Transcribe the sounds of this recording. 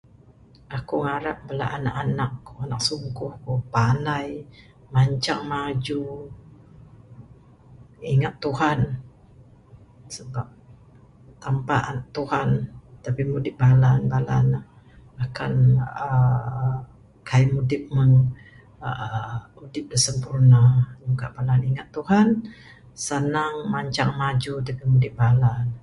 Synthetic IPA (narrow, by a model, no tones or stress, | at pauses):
akuŋaɾap̚bəla̰ʔana̰ʔanakanak̚suŋkʊhkupanaj | maɲt͡ʃaŋmad͡ʒu | iŋat̪ːuhan | səbap̚ | t̪ampaʔnaʔt̪uhant̪apimudɪp̚balanbala̰nh | akanə | kʰaimudɪp̚məŋ | udɪp̚dəsəmpurnajukaʔb̥alaniŋat̪ːuhan | sənaŋmaɲt͡ʃaŋmad͡ʒud̪əkimudɪp̚balan